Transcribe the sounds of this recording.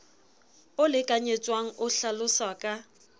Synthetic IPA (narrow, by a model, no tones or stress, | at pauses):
ʊlɪkʼaɲet͡sʼwaŋ̩ʔʊɬalʊsakʼa